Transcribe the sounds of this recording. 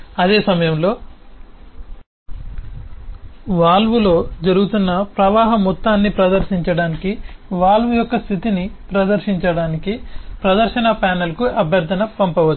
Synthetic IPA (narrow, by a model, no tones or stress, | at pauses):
ɐd̪e̞ːsɐmɐjɐmlo̞ː | ʋaːlʋulo̞ːd͡ʒɐɾuɡut̪unːɐpɾɐʋaːɦɐmɔt̪ːaːnːipɾɐd̪ɐɾʃiɲt͡ʃɐɽaːnikiʋaːlʋujɔkːɐst̪ʰit̪inipɾɐd̪ɐɾʃiɲt͡ʃɐɽaːnikipɾɐd̪ɐɾʃɐnɐpaːnɐlkuɐbʱjɐɾd̪ʱɐnɐpɐmpɐʋɐt͡ʃː